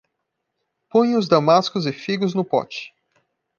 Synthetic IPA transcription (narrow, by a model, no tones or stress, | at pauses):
põj̃ʊzd̪amaskʊzɪfiɡʊznʊpɔ̰t͡ʃɪ̥